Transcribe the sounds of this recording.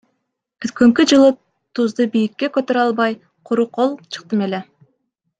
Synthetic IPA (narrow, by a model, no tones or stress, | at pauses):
kʰʏt̪̚kɵŋkʲid͡ʒɯlˠə | t̪ʰuzd̪əbijɪkʲːe̞kʲøt̪øɾɑlˠbɑj | qʰʊɾuqʰo̞lˠt͡ʃʰɨ̥q̚t̪əme̞le